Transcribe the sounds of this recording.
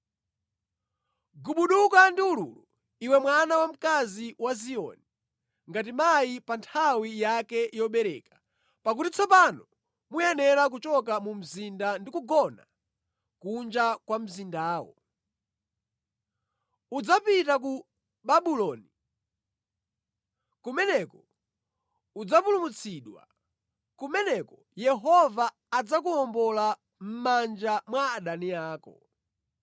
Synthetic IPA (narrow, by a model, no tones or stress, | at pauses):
ɡuɓuɗukandiuɾṵlu | iwɛmwanawam̩kaziwaziɔ̰ni | ŋɡatimaipantʰawijakɛʔijɔɓɛɾɛːkḁ | pak̬utit͡sɔpanɔ | mujɛnɛɾak̬ut͡ʃɔk̬amum̩zindandikuɡɔna̰ | kund͡ʒakwam̩zindaːwɔ̰ | ud͡zapitak̬u | ɓaɓulɔːni | kumɛnɛkɔ | ud͡zapulumut͡sʰiɗwa̰ | kumɛnɛkɔ | jɛɦɔvaː | d͡zak̬uɔmbɔla | m̩mand͡ʒamwaːɗaniaːkɔ̰